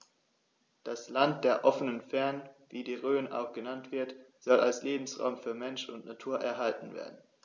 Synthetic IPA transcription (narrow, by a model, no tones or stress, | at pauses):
d̥aslant̚d̥eːɐʔɔfənənfɛɐnənviːdiːʁøːənʔa̰ʊxɡ̥ənantv̥ɪɐtz̥ɔlalsleːbm̩sʁa̰ʊmfyːɐmɛnʃʊntnatʰuːɐʔɛ̰ɐɦaltn̩vḛːɐdn̩